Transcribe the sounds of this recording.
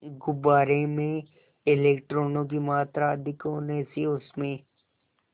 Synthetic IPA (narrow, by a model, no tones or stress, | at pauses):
ɡʊbaːɾemẽ | ɪleːk̚ʈɾoːnõk̬imaːt̪ɾad̪ɪkoːneseʊsmẽː